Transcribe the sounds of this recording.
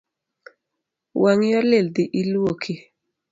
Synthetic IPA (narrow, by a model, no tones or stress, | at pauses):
wʔaŋjɔleld̪ɪʔilwokʰi